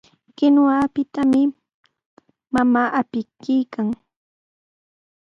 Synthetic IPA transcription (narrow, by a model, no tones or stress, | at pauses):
kɪnwaːpɪt̪amɪ | mamaːʔapɪkijkaŋ